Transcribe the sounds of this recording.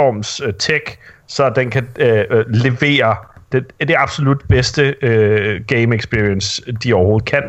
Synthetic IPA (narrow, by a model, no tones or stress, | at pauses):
ɒmst͡sʰeɡ̥sɒ̽d̥enkʰæ | le̝ʋe̝̰ːɐd̥ed̥e̝ɑ̈b̥so̝lud̥b̥esd̥əøɡ̥eɪmeɡ̥sb̥iɐiənsd̥iɒʊɐho̝ːð̩ˠkʰæn̰